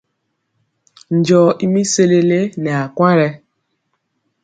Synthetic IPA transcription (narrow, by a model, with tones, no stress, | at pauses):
n̩˨d͡ʒɔ˨ʔi˦mi˦se˦le˦le˦nɛ˨a˨kʷa˦ɾɛ˦